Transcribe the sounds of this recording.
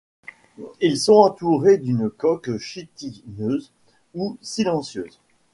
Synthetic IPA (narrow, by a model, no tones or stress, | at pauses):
ilsɔ̃ɑ̃t̪uʁed̪ynkɔkʃit̪inøz | usilɑ̃sjø̰ːz